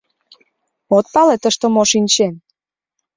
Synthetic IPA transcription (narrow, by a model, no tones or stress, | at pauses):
ot̪̚pɑlet̪əʃt̪omoʃinʲt͡ɕen